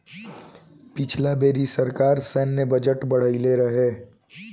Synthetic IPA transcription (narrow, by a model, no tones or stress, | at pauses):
pɪt͡ʃʰlabeːɾisɐɾkaːɾsɛːnːebɐd͡ʒəʈbɐɽ̤əileɾɐɦeː